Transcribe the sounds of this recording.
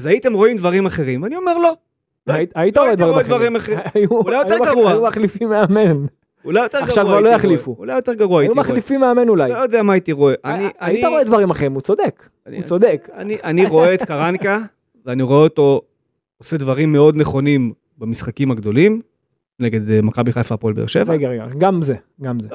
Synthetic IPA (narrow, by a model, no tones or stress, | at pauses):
azait̪e̞mʁo̞imd̪vaʁimaχeʁimvanio̞meʁlo̞ | aait̪aʁoed̪vaʁimdvaʁimaχejuulajojeuɡauajumaχlifimːeamen | ulajot̪eʁaɡʃavalojaχlifuulajot̪eʁɡaʁuaijumaχlifimːeame̞nulajojod̪eamaːit̪iʁoeʔaniʔajitaʁoed̪vaʁimaχʁimut͡sod̪ek | aniut͡sod̪eka̰niʔaniʁo̞eːtkaʁanka | veaniʁo̞eot̪o̞ | osed̪vaʁimːeo̞d̪neχo̞nim | bamisχakimaɡd̪o̞lim | neɡe̞d̪makabiχajfapolbḛḛʃe̞vʁaeɡaʁeɡaɡamze | ɡamze